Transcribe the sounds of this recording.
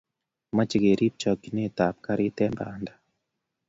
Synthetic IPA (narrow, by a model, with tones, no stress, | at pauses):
ma˦t͡ʃi˨ɣe˨ɾʔi˦p̚t͡ʃɔ˨ki˨ne˦ta˨p̚ka˦ɾi˦tɛ˦mba̰ː˨nda˨